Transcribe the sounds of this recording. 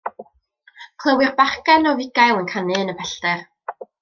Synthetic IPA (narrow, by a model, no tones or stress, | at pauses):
kʰlˠəwɪrbaχkɛnɔvɪɡajlˠənkʰanɨnəpʰɛɬtɛr